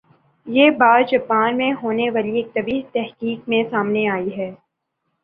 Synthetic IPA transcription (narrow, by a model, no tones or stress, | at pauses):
jeːbaːdd͡ʒɐpaːnmẽɦoːneʋaːlieːk̚t̪ɐbiːt̪ɛɦkiːkmẽsaːmneaːiɦɛː